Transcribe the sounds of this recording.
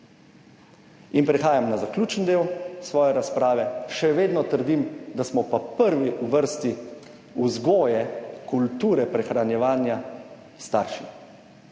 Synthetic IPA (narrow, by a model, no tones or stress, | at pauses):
inpɾɛxaːjamnazaklʲuːt͡ʃnd̪eːwsʋɔːjɛɾaspɾaːʋɛʃɛʋeːd̪nɔt̪əɾd̪imd̪asmɔpapəɾʋiuʋəɾst̪i | uzɡɔːjɛkult̪uːɾɛpɾɛxɾanjɛʋaːnja | st̪aːɾʃi